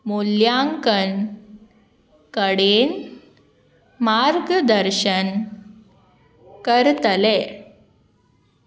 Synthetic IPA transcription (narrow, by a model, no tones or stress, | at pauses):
moljaŋkən | kəɽen | maɾɡd̪əɾɕən | kəɾt̪əle